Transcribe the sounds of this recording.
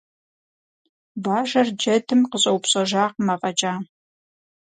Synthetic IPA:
baːʒɐrd͡ʒɐdʰɨmqəɕʼɐwpɕʼɐʒaːqmɐqʼɐt͡ʃʼaː

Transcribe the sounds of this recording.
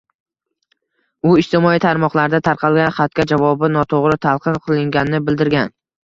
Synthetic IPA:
ʊɪʃt̪ɪmɒit̪ʰaɾmɒqlˠaɾd̪at̪ʰaɾqʰɑlˠɡʲanχat̪̚kʲad͡ʒavɒbɪnɒt̪ʰoʁɾɪt̪ʰalˠqʰɨmqʰɨlˠɪŋɡʲanɪnɪbɪld̪ɪɾɡʲan

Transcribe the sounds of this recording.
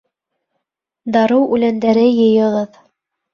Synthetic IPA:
d̪ɑɾɤwʔʉlænd̪æɾɘjɤ̆jɤ̆ʁɤð

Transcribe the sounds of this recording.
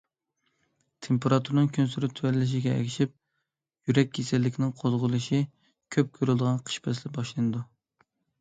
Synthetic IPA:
t̪ʰempeɾɑt̪ʰuɾnɨŋkʲʰønsyɾyt̪ʰywæɾlɪʃ̬iɡʲɛɛ̰kʲʰiʃip̚ | jyɾɛk̚ʲːʰesɪlːɪkʲʰnɪŋqʰozʁʊlˠɨʃi | kʲʰøp̚kʲʰøɾlˠd̪əʁɑnqʰə̥ʃpʰɛslɪbɑʃlˠɨnɨd̪u

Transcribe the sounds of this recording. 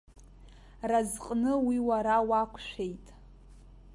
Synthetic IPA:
razqʼnɨwiwaɾawakʷʰʼʃʷᶣe̞jtʼ

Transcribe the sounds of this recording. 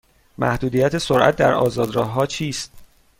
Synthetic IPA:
mʔæ̰hd̪uːd̪ijæt̪ʰesoɾʔæ̰t̪̚d̪æɾɒ̰ːzɒːd̪ɾɒːɦːɒːt͡ʃʰiːst̪̚

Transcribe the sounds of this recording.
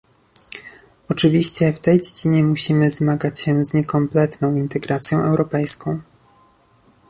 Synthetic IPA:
ɔt͡ʂɘvʲiɕt͡ɕɛft̪ɛjd͡ʑed͡ʑiɲɛmuɕimɘzmaɡat͡ɕɕɛzɲɛkɔmplɛt̪nɔ̃w̃int̪ɛɡɾat̪sʲjɔ̃w̃ʔɛwɾɔpɛjskɔ̃w̃

